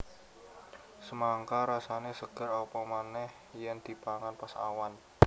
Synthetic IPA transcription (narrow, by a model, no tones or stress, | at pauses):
səmaŋkaɾasanesəɡ̥ə̤ɾɔpɔmanɛh | jand̪̥i̤paŋanpasa̰wan